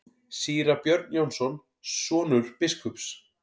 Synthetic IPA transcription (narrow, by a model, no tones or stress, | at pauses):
siːɾapjœɾt̪njownsɔn | sɔːnʏɾ̥pɪskʰʏps